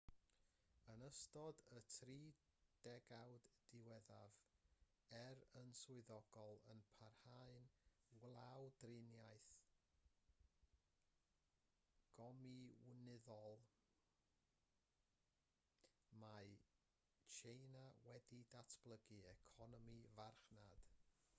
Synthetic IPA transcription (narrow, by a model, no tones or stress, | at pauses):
ənəstɔdətʰriːd̥ɛɡawddɪwɛðav | ɛɾənsʊɨðɔɡ̥ɔlˠənpʰarhaɨnɡlˠawdrɪnjajθ | ɡ̥ɔmiwnɪðɔlˠ | maj | t͡ʃʰejnawɛdidatʰb̥lˠəɡɨɛkʰɔnɔmivarχnad̥